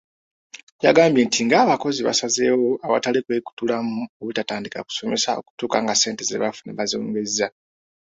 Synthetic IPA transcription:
ja̰ɡaːmbjeːntʰiŋɡaːβako̞ziβa̰saze̞ːwo̞aβa̰talikweku̥tulamuoβutataːndika̰ku̥so̞me̞sao̞̰ku̥tuːkaŋɡase̞ːntezḛβafuneβazoːŋɡeza

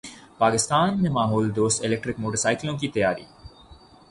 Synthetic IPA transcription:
paːkist̪aːnːemaːɦoːld̪oːselek̚ʈɾik̚moːʈəsajkloŋkiːt̪ejaːɾḭː

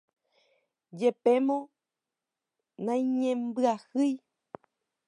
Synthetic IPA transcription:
d͡ʒepe̞mõ | nãj̃ɲẽmbɨahɨj

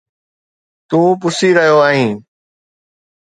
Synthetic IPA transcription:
t̪ũːpʊsiːɾəɦjoːaːɦĩː

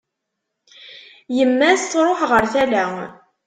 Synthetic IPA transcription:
jəmːæsːɾˤoħʁəɾθælæ

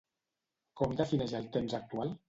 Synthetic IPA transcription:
kɔmd̪afineʒalt̪emzak̚t̪ual

